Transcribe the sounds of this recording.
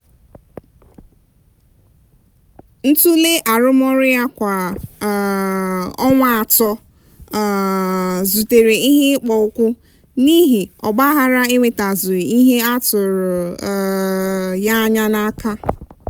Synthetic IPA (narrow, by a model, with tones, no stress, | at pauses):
n̩˦tu˦le˦ʔa˨ɾʊ˦mɔ˦ɾɪ˦a˦kʷa˨ | ɔ˦ŋʷa˦a˨tɔ˦˨ | zu˨te˨ɾe˨i˦ɦe˦k͡pɔ˨ʊ˦kʷʊ˦ | ni˦ɦi˨ɔ̰˨ɡ͡ba˦ɦa˦ɾa˦e˦ŋʷe˨ta˨zʊ˨ɾi˨i˦ɦe˦a˦tʊ˨ɾʊ˨ | ja˦ɲa˦na˦ka˦